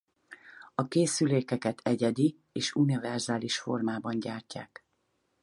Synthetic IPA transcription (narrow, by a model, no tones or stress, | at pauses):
ɒkeːsyleːkɛkɛt̪ʰɛɟɛd̪i | eːʃunivɛrzaːliʃfo̞̰rmaːbɒɲɟaːrca̰ːk